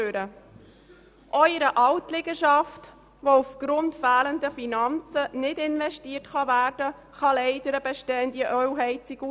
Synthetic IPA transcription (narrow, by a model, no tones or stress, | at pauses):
øːɾə | ʔœʏɾəʔɑltlɪɡəʃɑft | ʋoufɡ̥ɾʊntfæːləndəfinɑnt͡sənɪdɪnʋɛʃtiːərtχɑvæːɾd̥ə | χɑlɛɪdəɾəbɛʃtɛːnd̪iəʔœɥɦɛɪt͡sɪɡu